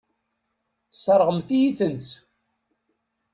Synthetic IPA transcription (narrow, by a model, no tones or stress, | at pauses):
sˤɑɾˤʁəmθijiθənt͡s̪